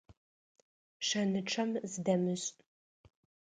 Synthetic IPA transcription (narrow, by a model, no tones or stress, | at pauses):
ʂɐnɨʈ͡ʂʰɐmzɨdɐmɨɕʼ